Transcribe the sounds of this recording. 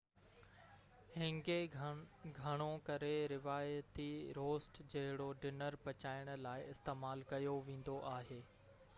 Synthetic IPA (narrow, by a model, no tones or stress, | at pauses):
hɪ̃ŋɡe | ɡʱɐɽ̃okɐɾeɾɪʋaːjt̪iɾoːsʈd͡ʑɐɦɪɽoɖɪnəɾpɐt͡ɕaːɪɽ̃̆laːɪɪst̪eːmaːlkɐjoʋẽːn̆d̪oʔaːɦeː